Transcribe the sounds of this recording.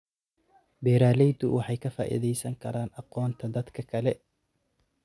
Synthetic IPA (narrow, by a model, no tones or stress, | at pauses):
bɛːɾaːlɛjd̪ʊwʔɑħɑjkʰɐfa̰ːʔɪ̰ðɛjsɐŋkʰɐɾaːnɑqɔːnt̪ʰɐd̪ɐd̪kʰɐkʰɐlɛ